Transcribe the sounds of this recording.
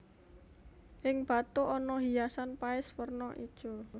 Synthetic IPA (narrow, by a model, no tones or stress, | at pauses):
ʔɪŋb̥a̤t̪uɔnɔɦijasanpaɪswərnɔʔid̥ʒ̥ɔ̤